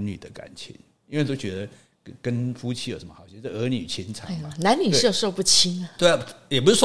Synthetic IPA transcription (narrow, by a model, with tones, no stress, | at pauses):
ny̰˨˩d̪ə˦ka̰˨˩nt͡ɕʰḭ˧˦n | i˥nwe˥˧t̪o˥ʊt͡ɕɥɛ˧˥d̪ə˧ | kə˦nfu˥t͡ɕʰi˥jo˨˩ʂə˧˦mə˧xɑ˨˩ʊt͡ɕʰɛ˥˧˥ə˧˥ny˨˩t͡ɕʰi˦˥nt͡sʰɑ̰˨ŋ˨na˨˧˥nny˨˩ʂo˥˧ʊʂo˥˧ʊpu˥˩t͡ɕʰi˥nə˨we˥˩˨jɛ˨˩p̬u˥ʂ̩˥˩ʂ